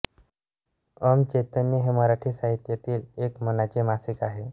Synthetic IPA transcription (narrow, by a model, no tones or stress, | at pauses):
əmt͡ɕet̪ənjəɦeməɾaʈʰiːsaɦit̪jat̪iːlekmənat͡ɕemasikaɦe